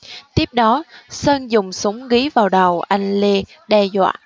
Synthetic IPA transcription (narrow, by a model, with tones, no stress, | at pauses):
t̪i˦˥əp̚ɗɔ˨˦səː˧nzʊ˨˩ŋ͡msʊ˨˦ŋ͡mɣi˨˦vaː˨˩wɗə˨˩wʔa˧jŋ̟li˧ | ɗɛ˧zwa̰ː˧˨ʔ